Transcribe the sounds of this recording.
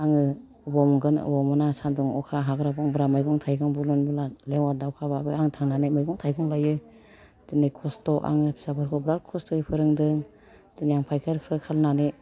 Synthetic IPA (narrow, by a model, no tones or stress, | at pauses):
aŋɯ | bɔmɡɯnɯ̰bɔmɔnasandɔŋɔkʰaɦaɡɾabɔŋbɾamajɡɔŋtʰajɡɯŋbulɯnbɯlaleŋwadawkʰaβabɯaŋtʰaŋnanemajɡɔŋtʰajɡʰɔŋlajɯ | dɯnajkʰɔstɔʔa̰ŋɯpʰi̥sabɯɾkʰɔbɾalkʰɔstɔipʰɯɾɯŋdɯŋ | d̥ɯnijaŋpʰajkʰaɾpʰɾɯkʰalnane